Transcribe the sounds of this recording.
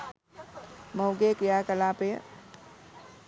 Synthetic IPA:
mowɡekɪjakəlape

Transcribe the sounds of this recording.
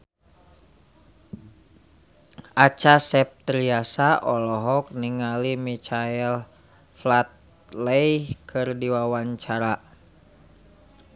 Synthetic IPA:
ʔat͡ʃasɛp̚t̪ɾiasaʔɔlɔɦɔk̚niŋalimit͡ʃaɛl | flat̪̚ | lɛjkʰɨrdiwawaɲt͡ʃaɾa

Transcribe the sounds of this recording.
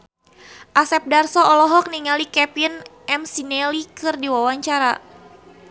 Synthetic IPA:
ʔasɛp̚darsɔɔlɔɦɔk̚niŋalikɛpinʔɛmsinɛlikɨrdiwawaɲt͡ʃaɾa̰

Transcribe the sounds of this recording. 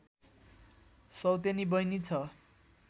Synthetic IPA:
sʌwt̪̬enibʌjnit͡sʰʌ

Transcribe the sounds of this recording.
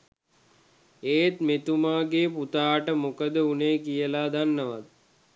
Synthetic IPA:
eːt̪met̪umaːɡeːput̪aːʈəmukəd̪əuneːkijəlaːd̪anːəʋa̰t̪̚

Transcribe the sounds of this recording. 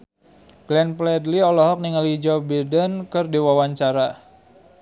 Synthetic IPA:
ɡ̥lɛnplɛdliɔlɔɦɔk̚niŋalid͡ʒɔbidənkərdiwawaɲt͡ʃaɾa

